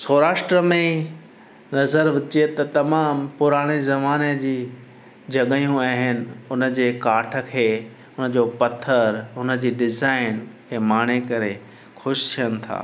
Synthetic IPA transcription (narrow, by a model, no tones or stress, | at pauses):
soːɾaːʃʈɾəmẽ | nɐzəɾʋɪt͡ɕiet̪ɐt̪ɐmaːmpʊɾaːɽ̃ezɐmaːned͡ʑiː | d͡ʑɐɠəjũaːɦɪnɪ̆ʊnəd͡ʑeːkaːʈʰə̆kʰeː | ʊnə̆d͡ʑopɐt̪ʰːəɾɦʊnə̆d͡ʑiːɖɪzaːɪnkʰeːmaːɽ̃ekɐɾe | xʊʃt̪ʰijənɪ̆t̪ʰa̰ː